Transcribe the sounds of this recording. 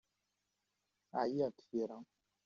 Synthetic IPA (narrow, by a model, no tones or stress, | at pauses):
a̰iatʰieɾa